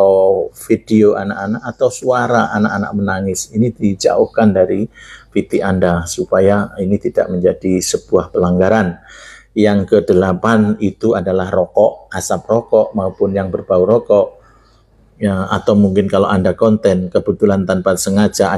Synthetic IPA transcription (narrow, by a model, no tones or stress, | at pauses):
afid̥eoʔa̰nakanaʔat̪awsuaɾaʔanaʔana̰ʔ̚mənaŋɪsinidid͡ʒa̰ʊhkandaɾifit̪iʔandasupajainit̪id̥a̰ʔməɲd͡ʒad̥isəb̥uahpəlaŋɡaɾanjaŋkədəlapanit̪uadalahrɔkɔʔasap̚rɔkɔʔmaupʊnjaŋbərbauɾɔkɔʔ | jaa̰t̪awmuŋkɪnkaloʔandakɔnt̪ɛnkəbət̪ulant̪anpat̪səŋad͡ʒa